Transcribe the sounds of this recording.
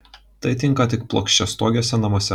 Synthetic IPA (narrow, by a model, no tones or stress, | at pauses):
t̪ɐɪt̪ʲɪŋˑkɐt̪ʲɪk̚plˠo̰kʃʲt͡ʃʲɛst̪oːɡʲoːsʲɛnɐmoːsʲɛ